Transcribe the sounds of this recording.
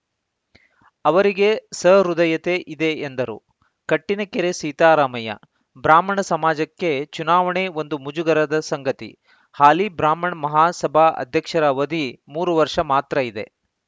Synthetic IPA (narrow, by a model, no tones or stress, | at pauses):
ɐʋɐɾiɡe̞sɐɾud̪ɐjɐt̪e̞ʔid̪eːnd̪ɐɾṵ | kɐʈːinɐkeɾesiːt̪aːɾaːmɐjɐ̰ | bɾaːmɐɳɐsɐmaːd͡ʒɐkːe̞t͡ʃunaːʋɐɳeo̞nd̪umud͡ʒuɡɐɾɐd̪ɐsɐŋɡɐt̪ḭ | haːlibɾaːmɐɳmɐɦaːsɐbʱaɐ̰d̪ʱjɐkʂɐɾɐʋɐd̪ʱimuːɾuʋɐɾʂɐmaːt̪ɾɐid̪e̞̰